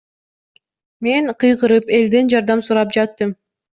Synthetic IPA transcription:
me̞ŋqʰɯjqɯɾɯpe̞ld̪e̞nd͡ʒɑɾd̪ɑmsuɾɑp̚d͡ʒɑt̪ːɯm

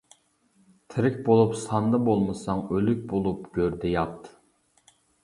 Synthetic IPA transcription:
t̪ʰɪɾɪkʲbolˠupsɑnd̪ɑbolˠmɨsɑŋølyk̚ʲbolˠupɡ̥ʲøɾd̪ɛjɑt̪ʰː

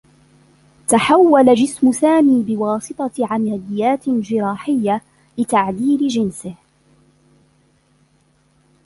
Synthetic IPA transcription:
t̪aħawːalad͡ʒɪsmʊsaːmiːbɪwɑːsɨt̪ˤɑʕamalɪjːaːt̪d͡ʒɪɾɑːħɪjːa | lɪt̪aʕd̪iːlɪd͡ʒɪnsɪh

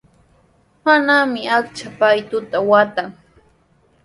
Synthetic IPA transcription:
manamɪakt͡ʃapajt̪ʊt̪awat̪aŋ

